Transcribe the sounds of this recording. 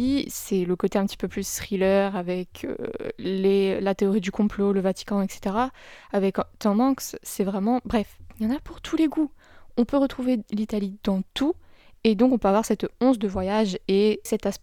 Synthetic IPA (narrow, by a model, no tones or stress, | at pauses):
isɛləkot̪eɛ̃pt̪i̥pøplysχilœʁavɛkʰø̰lelat̪eɔʁid̪ykɔ̃ploləvat̪i̥kɑ̃ɛkse̥t̪eʁaavɛkt̪ɑ̃mɑ̃ksːɛvʁɛmɑ̃bʁɛfjɑ̃napuʁt̪ʰuleɡu | ɔ̃pøʁət̪χuvelit̪alid̪ɑ̃t̪ʰued̪ɔ̃kɔ̃pøavwaʁsɛt̪ɔ̃t̪d̪əvwajaʒesɛt̪asp